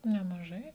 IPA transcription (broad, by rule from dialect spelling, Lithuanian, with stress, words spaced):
nʲɛmɐˈʒɐɪ